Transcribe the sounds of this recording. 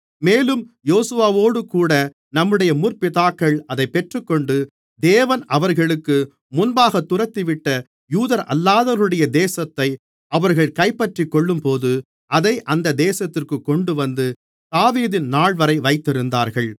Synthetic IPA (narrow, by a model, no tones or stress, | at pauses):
meːlɯmjoːsɯʋaːʋoːɽɯkuːɽɐ | nɐmːɯɽɐjɐmʊrpɪtaːkːɐɭɐðɐɪpːɛʈrɯkːɔɳɖɯ | d̪eːʋɐnɐʋɐɾɣɐɭɯkːɯ | mʊnbaːɣɐt̪ːʊrɐt̪ːiʋɪʈːɐ | juːðɐɾʔɐ̰lːaːðɐɾɯɽɐjɐd̪eːsɐt̪ːɐɪ | ɐʋɐɾɣɐɭkɐɪpːɐʈrikːɔɭːɯmpoːðɯ | ʔɐðɐɪʔɐnd̪ɐd̪eːsɐt̪ːɪrkɯkːɔɳɖɯʋɐnd̪ɯ | t̪aːʋiːðɪnnaːɭʋɐɾɐɪʋɐɪt̪ːɪɾɯnd̪aːɾɣɐɭ